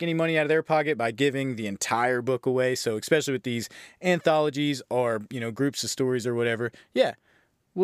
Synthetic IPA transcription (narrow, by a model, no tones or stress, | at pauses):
ɛ̃ɾnimʌñiaʊɾʌvðə˞pʰɑkɨt̚b̥aɪɡɪvɪ̃ŋðiɨ̃ntʰaɪə˞bʊkəweɪsoʊɨspɛʃl̩ˠiwɨðizæ̃nθɑlˠəd͡ʒizə˞jɨñoʊɡɹʉpsʌv̥stɔɹizə˞wʌɾɛvə˞jæ